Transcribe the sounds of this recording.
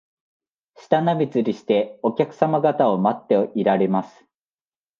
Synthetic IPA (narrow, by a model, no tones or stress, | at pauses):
ɕi̥t̪anabʲit͡sɨɾʲiɕi̥t̪e̞o̞kʲakɯ̥samaɡat̪ao̞mat̪ːe̞oʔiɾaɾe̞masɨ̥